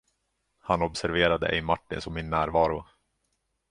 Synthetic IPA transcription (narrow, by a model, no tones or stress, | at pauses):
hanɔbsæɾveːɾad̪ə̰ʔɛ̰jmaʈːɪnsɔmːɪnːæːɾvɑːɾʊ